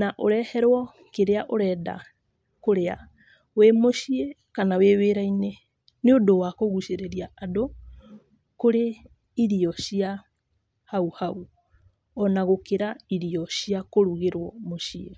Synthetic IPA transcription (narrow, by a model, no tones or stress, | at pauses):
naʔoɾɛhɛɾwɔ | keɾeaʔoɾɛda̰ | koɾea̰ | wemoʃie | kanaweβeɾaine | neodowakoɣuʃeɾeɾiaado | koɾe | iɾiɔʃia | hauhau | ɔnaɣokeɾaiɾiɔɕiakoɾuɣeɾwɔmoʃie